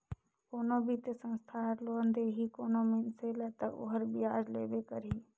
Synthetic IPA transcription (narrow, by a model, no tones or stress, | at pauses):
koːnobʱit̪esə̃nst̪ʰaːɾloːənd̪eːɦikoːnomenselet̪ɐʔo̰ɦəɾbiaːd͡ʒlḛːbekəɾiː